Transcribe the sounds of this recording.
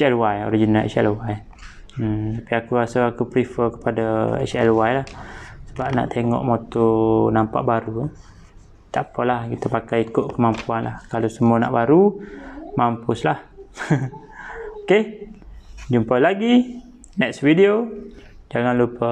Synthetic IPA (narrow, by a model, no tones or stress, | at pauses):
sɛlwajo̰ɾid͡ʒinaɛ̰t͡ʃɛ̰lwaj̩ | t̪apiakuasaakupɾifəkə̥padaɛ̰t͡ʃɛlwajlahsəbap̚na̰ʔt̪eŋɔ̰ʔmot̪onampa̰ʔbaɾu | t̪aʔpəlahkit̪əpakajikʊʔkəmampuanla̰hkalosəmuana̰ʔbaɾu | mampʊslah | oke | d͡ʒumpalaɡi | nɛksvidio | d͡ʒaŋanlupə